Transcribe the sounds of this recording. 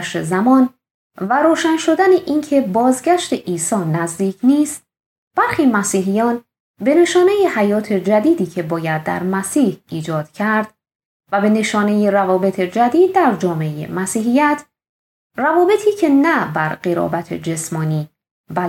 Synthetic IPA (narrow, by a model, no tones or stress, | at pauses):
ʃezæmɒːn | væɾoːʃænʃo̞d̪æneʔiːncʰe̞bɒːzɟæʃt̪e̞ʔiːsɒːnæzd̪iːcʰniːst̪ | b̥æɾxiːmæsiːɦijɒːn | be̞ne̞ʃɒːne̞jehæjɒːt̪ʰe̞d͡ʒæd̪iːd̪iːcʰe̞bɒːjæd̪̚ːæ̰ɾmæsiːhiːd͡ʒɒːd̪̥cʰæɾd̪ | væbe̞ne̞ʃɒːne̞jeɾævɒːbe̞t̪ʰe̞d͡ʒæd̪iːd̪̚ːæɾd͡ʒɒːmeejḛmæsiːɦijæt̪ʰ | rævɒːbe̞t̪ʰiːcʰe̞næbæɾɢeɾɒ̰ːbæt̪ʰḛd͡ʒe̞smɒːniː | b